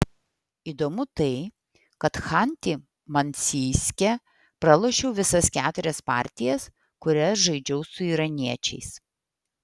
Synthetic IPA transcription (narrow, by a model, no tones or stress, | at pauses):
iːd̪omʊt̪ɐɪ | kɐt̪xanʲt̪ʲɪ | mɐnʲsʲiːsʲkʲɛ | pɾɐlˠoːʃʲɛʊʋʲɪsɐskʲæːt̪ʊɾʲɛspɑ̰ˑɾʲt̪ʲɪjɛs | kʊɾʲɛsʒɐɪd͡ʒʲɛʊsʊiːɾɐnʲiɛt͡ʃʲɛɪs